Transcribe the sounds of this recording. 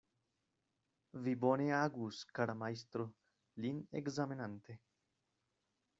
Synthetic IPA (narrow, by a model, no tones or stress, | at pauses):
viboneaɡuskaɽamajst̪ɾo | linḛkzaminant̪e